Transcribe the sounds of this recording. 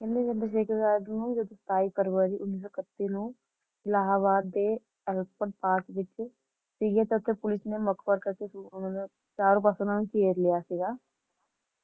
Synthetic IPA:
kɛ̃nd̪ed͡ʒənd̪əʃeːkʰəɾɡaːdnũːd͡ʒəd̪õːst̪aːipəɾʋəːɾiːʔʊnːiːs̬oːkət̪ːinũː | laːɦaːʋaːd̪ːeː | ɛlpəɳʈ̚paːkʋɪt͡ʃ | siɡaːt̪eʊt̪ʰːepʊlɪsneməkʰpəɾkəɾkeunõne | t͡ʃaːɾõːpəsənãːnũːkeːɾlɪjaːsiɡaː

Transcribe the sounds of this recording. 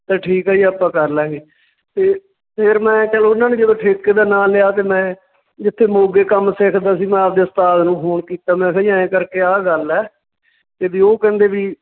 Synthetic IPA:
t̪ẽːʈʰiːkɦɛːiːəːpãːkəɾlɛːɡeː | t̪eː | pʰɪɾmɛ̃ːt͡ʃəloʊnːaːnẽːd͡ʒəd̪oːʈʰeːkːeːd̪aːnaːlɪaːt̪eːmɛ̃ː | d͡ʒɪt̪ʰːeːmoːɡeːkəmsekʰd̪aːsiːmɛ̃ap̚d̪eːʊst̪aːd̪nũːɦoːɳkiːt̪aːmɛ̃ːkəiãːẽːkəɾkeːaːɡəlɛː | t̪eːbiːoːkɛ̃ːnd̪eːʋiː

